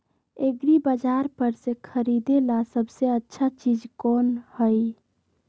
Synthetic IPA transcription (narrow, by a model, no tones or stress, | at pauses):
eɡɾibəd͡ʒaɾpəɾsẽkʰəɾid̪elasəbʱseətːʃʰat͡ʃid͡ʒkonhəj